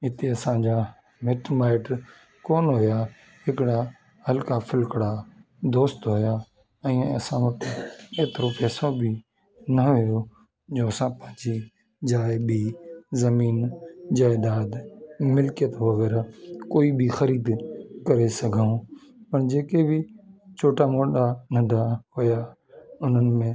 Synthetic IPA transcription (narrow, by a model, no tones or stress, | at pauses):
ɦɪt̪eɐsãd͡ʑaː | mɪʈmaːɪʈ | koːnɦojaː | hɪkɽa | həlkafʰɪlkɽa | d̪oːst̪ɦojaː | ɛ̃ːɐ̰sãʋɐt̪eːt̪ɾopɛːsobɪ | nɐɦʊjo | d͡ʒoːɐsãpɐ̃ɦɪ̃d͡ʒi | d͡ʒaːɪbizɐmiːnd͡ʑaːɪd̪aːd̪mɪlkijət̪ʋɐɣɛːɾakoːibɪxɐɾiːd̪kɐɾesɐɡʱaũ | pɐɽd͡ʑeːkebɪt͡ʃʰoːʈamoːɗanɐ̃ɖʱahoja | ʊn̤ənɪ̆mẽ